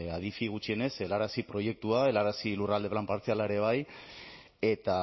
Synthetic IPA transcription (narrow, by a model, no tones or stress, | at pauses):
aðifiɣ̞ut͡ʃie̞ne̞se̞laɾasipɾo̞je̞k̚t̪uae̞laɾasilurald̪e̞βlampaɾt͡sialaeɾe̞β̞aj | e̞t̪a